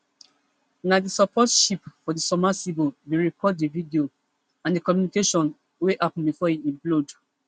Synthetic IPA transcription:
nadisɔpʰɔtʃipfɔdisɔmasibobeɹikʰɔd̚dividio | ãndikɔmjunikeʃɔ̃n | weʔapn̩bifɔiĩmplod

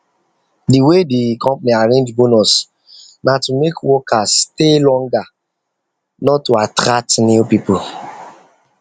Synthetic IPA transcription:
diwedikʰɔ̃mpaniaɹẽnd͡ʒbonɔs | natumekwɔkʰasːtelɔ̃ŋɡa | nɔtːuatɾatnipipu

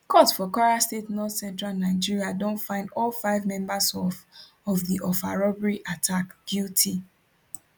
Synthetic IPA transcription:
kʰɔtfɔkaɹastetnɔθsɛ̃ntɹalnaɪd͡ʒiɹiadõntfãɪ̃ndɔlfaɪvmɛ̃mbasɔf | ɔvðiʔɔfaɹɔbɹiʔatʰakɡ̥jultʰi

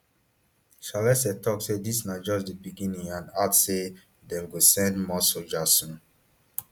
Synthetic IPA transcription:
ʃalɛsɛtɔksedisnad͡ʒɔsdəbiɡĩnĩŋãnatse | dɛ̃mɡosɛ̃ndmɔsod͡ʒasũn

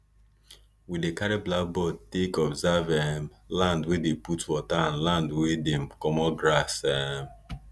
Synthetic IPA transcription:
widekaɾiblabɔtekɔbzavɛm | lãndwedeputwɔtanlãndwedem̩kɔmɔɡɾasɛm

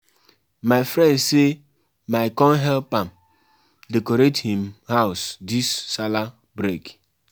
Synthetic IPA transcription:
maɪfɾɛndse | maɪkɔ̃nɦɛlpam̩ | dekoɾethĩmhaʊsdisːala | bɾek

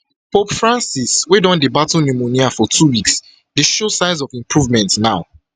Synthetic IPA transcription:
popfɹãnsiswɛ̃dɔ̃ndebatɔnumoniafɔtʰuwiks | deʃosãɪzɔvĩmpʰɹuvmɛ̃ntnaʊ

